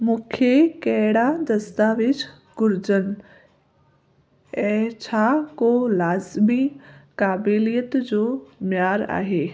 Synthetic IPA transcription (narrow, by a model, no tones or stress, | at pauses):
mũːkʰekɐɦɪɽad̪ɐst̪aʋɪt͡ɕ | ɡ̥ʊɾɪd͡ʑənɪ̆ | ɛ̃ːt͡ɕʰaːkolaːzmikaːbilijət̪d͡ʑoːmjaːɾa̰ːɦeː